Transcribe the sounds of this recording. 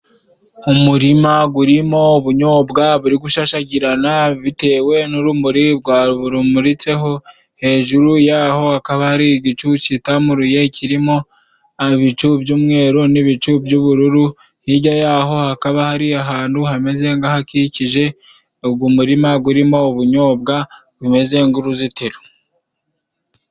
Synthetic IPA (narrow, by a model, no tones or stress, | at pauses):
umuɾimaɡuɾimo̞βuɲo̞ːbɡaβuɾiɡuʃaʃaɟiɾanaβite̞ːwe̞nuɾumuɾibɡwaɾuβuɾumuɾit͡se̞ɦo̞ | he̞ːʒuɾujaːho̞hakaβahaɾiɟit͡ʃut͡ʃitamuɾuje̞cʰiɾimo̞ | aβit͡ʃubjuːmŋe̞ːɾoniβit͡ʃubjuβuɾuɾu | hiɟajaɦo̞hakaβahaɾiaɦaːnduhame̞ze̞ŋɡahakiciʒe̞ | ob̚ɡumuɾimaɡuɾimo̞ːβuɲo̞ːbɡa | βume̞ze̞ŋɡuɾuzitiɾu̥